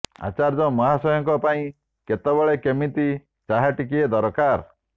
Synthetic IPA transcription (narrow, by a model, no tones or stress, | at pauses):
a̰t͡ʃaɾd͡ʒɔmɔɦasɔjɔŋkɔpaĩ | ket̪ɔbɔɭekemit̪i | t͡ʃaɦaʈikied̪ɔɾɔkaɾ